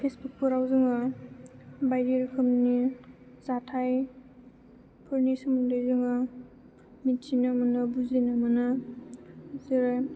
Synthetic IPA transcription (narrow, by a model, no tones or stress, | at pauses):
pʰesbuk̚puɾawzɯŋa | bajɾiɾkʰɯmni | zatʰaj | pʰɯɾnisumundɯjzɯŋa | mitsinamɐnɐbuzinamɐnɐ | ziɾa